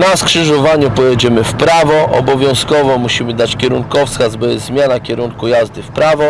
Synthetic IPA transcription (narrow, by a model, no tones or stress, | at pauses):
naskʂɘʐɔvaɲupɔjɛd͡ʑɛmɘfpɾavɔʔɔ̰bɔvʲjɔ̃w̃skɔvɔmuɕimɘd̪at͡ɕkʲɛɾuŋkɔfskazbɛzmʲjanakʲɛɾuŋkujazd̪ɘfpɾavɔ